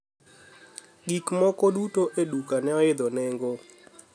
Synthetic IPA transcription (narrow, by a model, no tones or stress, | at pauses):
ɡikmɔkɔdutoʔedukanɛɔɪd̪ɔnɛŋɡo